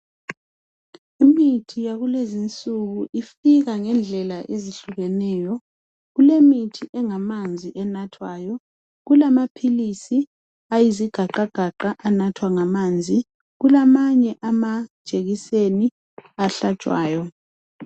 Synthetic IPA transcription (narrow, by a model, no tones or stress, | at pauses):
imitʰijaɣulezint͡sʼuɣuʔifiɣaŋɛnd͡ɮʱɛlaʔeziɬuɣɛnɛːjɔ | ɣulemitʰiʔɛŋamand͡zʱiʔɛnatʰwaːjɔ | ɣulamapʰilisi | ajiziɡ̥ʱaǃaɡ̥ʱaǃaʔanatʰwaŋamaːnd͡zʱi | ɣulamaɲɛʔamḁʒ̥ʱeɣiseni | aɬad̥ʒ̥ʼʱwaːjɔ